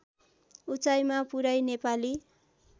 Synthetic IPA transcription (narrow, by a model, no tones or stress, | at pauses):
ut͡sajmapuɾajnepali